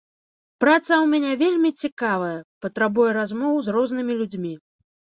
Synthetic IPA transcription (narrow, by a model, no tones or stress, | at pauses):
pɾat̪sɐwmʲanʲɛvʲelʲmʲit͡sʲikavɐjɐpɐt̪ɾabujɛɾazmɔwwzrɔznɨmʲilʲud͡zʲmʲi